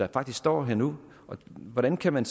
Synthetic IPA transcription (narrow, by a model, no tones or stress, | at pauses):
ɑ̈fɑ̈ɡ̥d̥isɡ̥sd̥ɒ̰ːɦeɐ̰nu | ɒ̽ʋɒɾænkʰæmæns